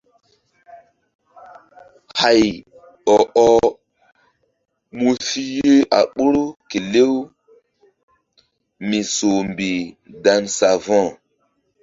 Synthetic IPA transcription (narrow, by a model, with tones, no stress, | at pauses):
ha˨j | ɔ˨ʔɔ˦ | mu˦fi˦je˦ʔa̰˨ɓo˦ɾo˦ke˨le˦w | mi˨so˨mbi˨da˨nsa˨vɔ̃˦˨